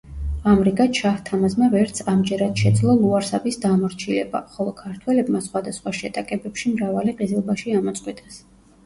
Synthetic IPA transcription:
amɾiɡat̪ʃaht̪ʰamasmavɛɾt̪sʰamd͡ʒɛɾad̪̥ʃɛd̪zlˠɔlˠuaɾsabisd̪amɔɾt͡ʃʰilɛ̰ba̰χɔlˠɔkʰaɾt̪ʰwɛlɛbmasχwad̪asχwaʃɛt̪ʼakʼɛbɛpʃimɾavaliqʼizilˠbaʃiamɔt̪sʼqʼwit̪ʼas

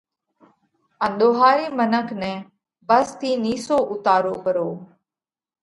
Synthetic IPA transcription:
ə̃nɗ̪oːɦaːɾiːmənəkʰnɛ̃ː | bəst̪ʰiːniːsoːʔʊt̪aːɾoːkəɾoː

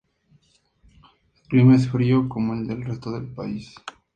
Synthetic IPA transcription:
elklimaesfɾioko̞moe̞ld̪e̞lre̞st̪oðe̞lpais

